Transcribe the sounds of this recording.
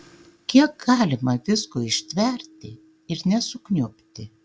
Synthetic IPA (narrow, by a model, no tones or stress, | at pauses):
kʲiɛk̚ɡɑːlʲɪmɐʋʲɪskoɪʃʲt̪ʲʋʲɛɾʲt̪ʲɪ | ɪɾnʲɛsʊknʲʊpʲt̪ʲɪ